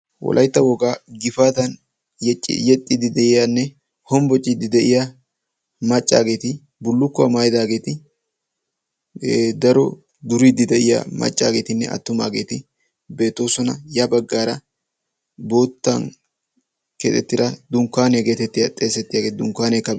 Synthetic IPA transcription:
wɔ̰lʔɐjt̪ːɐwɔɡaːɡɪfaːt̪ɐn | t͡ʃʼːjɛt̪ʼːɪd̪ɪd̪ɛʔɪjanːɛ | hɔmbɔt͡ʃʼːɪd̪ɪd̪ɛʔɪja | mɐt͡ʃʼːa̰ːɡe̞ːt̪ɪ | bʊlːʊkːʊamajd̪aːɡe̞ːt̪ɪ | d̪ɐɾɔ | d̪ʊɾid̪ɪd̪ɛʔɪja̰mɐ̰t͡ʃʼːa̰ːɡe̞ːt̪ɪnːɛ̰ʔɐ̰t̪ːʊma̰ːɡe̞ːt̪ɪ | be̞ːt̪ːo̞ːsɔnɐjɐbɐɡːaːɾɐ | bo̞ːt̪ːɐ̰n | kɛt̪ʼɛt̪ːɪɾɐd̪ʊŋkːaːneɡe̞ːt̪ɛt̪ːɪjɐt̪ʼe̞ːsɛt̪ːɪjaːɡeːd̪ʊŋkːaːnekːɐ

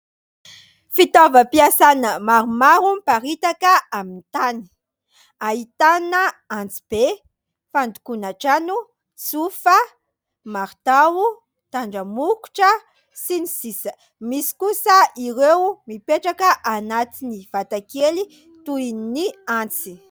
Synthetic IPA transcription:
fit̪avapiasanamaɾumaɾumpaɾit̪akaamint̪ani̥ | ait̪anaãnt͡si̥b̥e | fand̪u̥kunaʈ͡ʂanu | t͡sufa | maɾt̪awu | t̪aɳɖ͡ʐamuku̥ʈ͡ʂa | sinisisa | misi̥kusaiɾewmipeʈ͡ʂakaʔanat͡siniv̥at̪akeli | t̪uiniãnt͡si

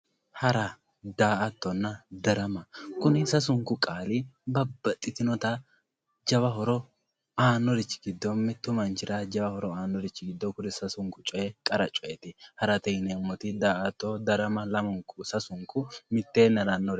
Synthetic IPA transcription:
hɐɾɐ | d̪aːʔɐt̪ːɔnːɐd̪ɐɾɐmɐkʊnɪsɐs̬ʊŋkʊkʼaːlɪbɐbːɐt̪ʼːɪt̪ɪnɔt̪ɐ | d͡ʒɐbɐɦɔɾɔ | aːnːɔɾɪt͡ʃːɪ̥ɡɪd̪ːɔmːɛt̪ːʊmɐnt͡ʃɪɾad͡ʒɐbɐhɔɾɔaːnːɔɾɪt͡ʃːɪɡɪd̪ːɔkʊnɪsɐsʊŋkʊt͡ʃʼɔjɛkʼɐɾɐt͡ʃʼɔjɛt̪ɪhɐɾɐt̪ɛjnɛmːɔt̪ɪd̪aːʔɐt̪ːɔd̪ɐɾɐmɐlɐmʊŋkːʊsɐsʊŋkʊmɪt̪ːeːnːɐɾɐnːɔɾ

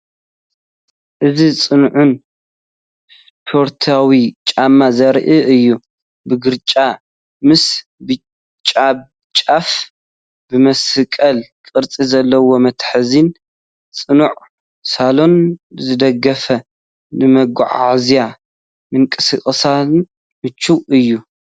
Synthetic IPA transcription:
ʔɨzit͡sʼɨnʕun | s | pʰo̞ɾt̪ʰawit͡ʃʼamːazɐɾʔɨɨjːu | bɨɡɨɾt͡ʃʼa | mɨs | bɨ | t͡ʃʼab | t͡ʃʼaf | bɨmɐsɨkʼɐlkʼɨɾt͡sʼizɐlːɐwo̞mɐt̪ħɨzin | t͡sʼɨnuʕ | salo̞nzɨd̪ɐɡɐfɐ | nɨmɐɡuʕa̰ʕzija | mɨŋkʼɨsɨχʼsa | mɨt͡ʃːuʔɨjːu

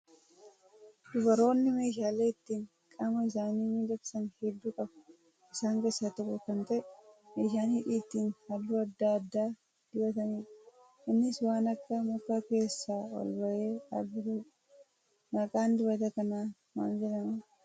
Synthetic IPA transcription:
d̪̥ʊbɐɾo̞ːnːɪme̞ːʃaːleːɪt̪ːiːŋ | kʼɐmɐɪsaːniːmid̪ɐbsɐnhɛd̪ːuːkʼɐbɐ | ɪsaːŋke̞ːsːaːt̪ɔkʼːʊkɐnt̪ɐʔɛmeːʃaːnhɪᶑiːt̪ːiːnhɐlːuːɐd̪ːaːɐd̪ːaː | d̪̥ɪbɐt̪ɐniːᶑɐ | ɪnːɪswaːnɐkːɐmʊkːaːke̞ːsːaːwɐ̰lbɐʔeːɐbɪt̪ɐ | nɐkʼaːnd̪ɪbɐt̪ɐkɐnaː | ma̰ːnd͡ʒɛᶑɐmɐ

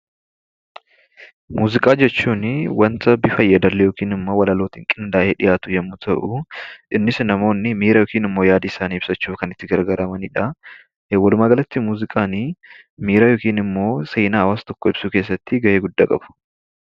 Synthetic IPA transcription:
muːzɪkʼaːd͡ʒɛt͡ʃːuːnwɐnt̪ɐbifɐjːɐd̪ɐlːɛjo̞ːkiːnɪmːo̞ːwɐlɐloːt̪ɪŋkʼɪnd̪aːʔeːᶑɪjaːt̪ʊjɛmːʊt̪ʰɐʔʊʔɪnːɪsnɐmo̞ːnːɪmiːɾɐjoːkiːnɪmːo̞ːjaːd̪iɪsaːniːɪb̥sɐt͡ʃːuːfkɐnɪt̪ːɪɡɐɾɡɐɾɐmɐniːᶑɐ | wɐlʊmaːɡɐlɐt̪ːɪmuːzɪkʼaːni | miːɾajo̞ːkiːnɪmːo̞ːsejnaːhɐwaːst̪ɔkːɔɪb̥suke̞ːs̬ːɐt̪ːɪɡɐʔeːɡʊd̪ːaːkʼɐ̰bʊ̥

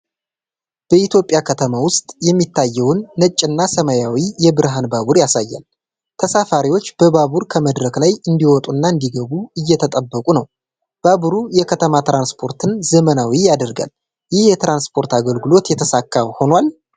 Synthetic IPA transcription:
b̥əit̪jo̞pʼːjakʰət̪ʰəmawʊst̪ʼjɛmːit̪ʰːajːɛwnːət͡ʃʼːɨnːasəmajawijɛbɨɾɦanbaβuɾjasajːa̰l | t̪ʰəsafaɾiwo̞t͡ʃːb̥əbaβuɾkʰəməd̪ɾəklajɨnd̪iwɔt̪ʼunːaɨnd̪iɡəβuɨjːɛt̪ʰət̪ʼəbːəkʼunəw | b̥aβuɾujɛkʰət̪ʰəmat̪ɾanspʰo̞ɾt̪ʰɨnzəmənawijad̪əɾɡa̰l | jɪhjɛt̪ɾanspʰo̞ɾt̪aɡəlɡɨlo̞t̪jɛt̪ʰəsakːawho̞nwal

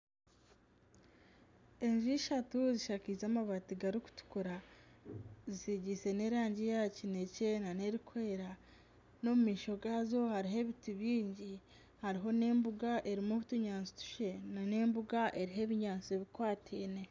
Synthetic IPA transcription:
e̞ɲʒiʃatuziʃakizaːmaβatiɡaɾiku̥tu̥kuɾa | zisiɟise̞ne̞ːɾaːɲɟijacine̞ce̞naneɾikwe̞ːɾa | no̞mumiːʃo̞ɡazo̞haɾiɦe̞βituβiːɲɟi | haɾiɦo̞ne̞ːmbuɡaʔe̞ɾimuβutuɲaːnso̥tu̥ʃe̞nane̞ːmbuɡaʔeɾiɦe̞βiɲaːnseβikwaːtʰiːne̞

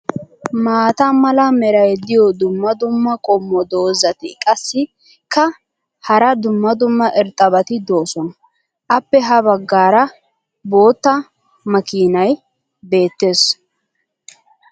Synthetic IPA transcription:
maːt̪ɐmɐlɐmɛɾɐjd̪ɪjɔd̪ʊmːɐd̪ʊmːɐkʼɔmːɔd̪o̞ːzɐt̪ɪ̰kʼɐsːɪ | kʰɐ | hɐɾɐd̪ʊmːɐd̪ʊmːɐʔɛɾt̪ʼːɐbɐt̪ɪd̪o̞ːsɔn | ʔɐpːɛɦɐβɐɡːaːɾɐ | bo̞ːt̪ːɐ | mɐkiːnɐj | be̞ːt̪ːe̞ːs

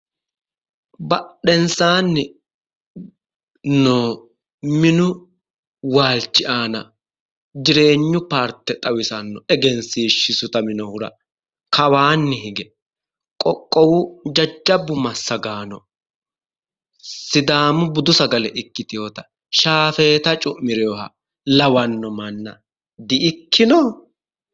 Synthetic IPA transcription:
bɐɗɛnsaːnːɪ | noː | mɪnʊ | waːlt͡ʃːɪʔaːnɐ | d͡ʒɪɾe̞ːɲːʊpaːɾt̪ːɛt̪ʼɐwɪsɐnːɔɛɡɛnsiːʃːɪsʊt̪ɐmɪnɔhʊɾɐ̰ | kɐwaːnːɪɦɪɡɛ | kʼɔkʼːɔwʊd͡ʒɐd͡ʒːɐbːʊmɐsːɐɡaːnɔ | sɪd̪aːmʊbʊd̪ʊsɐɡɐlɛʔɪkːɪt̪ɪjot̪ɐ̥ | ʃaːfeːt̪ɐt͡ʃʼʊmːɪɾɛjɔhɐ | lɐwɐnːɔmɐnːɐ̰ | d̪ɪʔɪkʰːɪnɔ

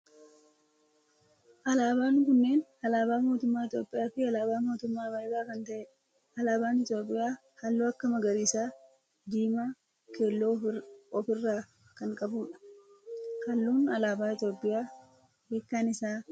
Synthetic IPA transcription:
ʔɐlaːbaːŋkʊnːe̞ːnɐlaːbaːmoːt̪ʊmːaːɪt̪jo̞ːpʼːɪjaːfɪɐlaːbaːmo̞ːt̪ʊmːaːbɐjbaːkɐnt̪ɐʔeːᶑɐ̥ | ɐlaːbaːnɪt̪jo̞ːpʼːɪjaː | hɐlːoːɐkːɐmɐɡɐɾiːsaː | d̪iːmaː | keːlːoːɔfɪrːaː | kɐŋkʼɐbuːᶑɐ̥ | kɐlːuːnɐlaːbaːɪt̪jo̞ːpʼːɪjaː | beːkːaːnɪsaː

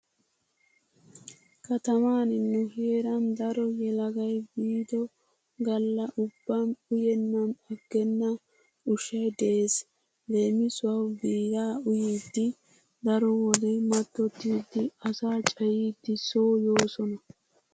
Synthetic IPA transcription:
kɐt̪ɐmaːnɪnːɛheːɾɐnd̪ɐɾɔjɛlɐɡɐjbiːd̪ɔ | ɡɐlːɐʔʊbːamʊjɛnːɐmɐɡːɛnːɐ | ʊʃɛd̪eːs | le̞ːmɪsʊwɐwbiːɡaːʊjiːd̪ːɪ | d̪ɐɾɔwɔd̪ɛjmɐt̪ːɔt̪ːiːd̪ːɪɐsaːt͡ʃʼɐjiːd̪ːɪsoːjo̞ːsɔnɐ

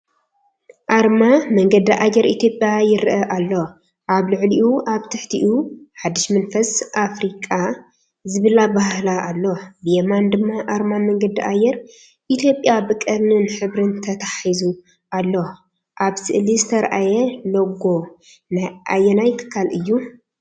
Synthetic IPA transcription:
ʔaɾmamɐŋɡɐd̪iʔajɛɾʔit̪ʰjo̞pʼjajɪɾʔɐʔalːo | ʔaβlɨʕliʔuʔaβt̪ʰɨħt̪ʰiʔuħad̪ːɨʃmɐnfɐsʔafɾikʼa | zɨβɨlabahlaʔːlːobɨjemand̪ɨmːaʔaɾmamɐŋɡɐd̪iʔajɛɾ | ʔit̪ʰjo̞pʼjabɨkʼɨɾnɨnħɨβɾɨnt̪ʰɐt̪ʰḁħizu | ʔalːo | ʔaβsɨʔlizɨt̪ʰɐɾʔajɛloɡo̞ | najʔa̰jɛnajt̪ʰɨ̥kʰːalɨjːu

